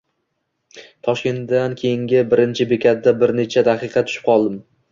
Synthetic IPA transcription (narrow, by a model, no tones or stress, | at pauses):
t̪ʰɒʃkʲe̞nt̪d̪ankʲʰejɪŋɡʲɪbɪɾɪnt͡ʃʰɪbekʲʰat̪̚d̪abɪɾne̞t͡ʃʰad̪aqʰɨqʰɑt̪ʰʊ̥ʃɪ̥p̚qʰɒlˠd̪ɪm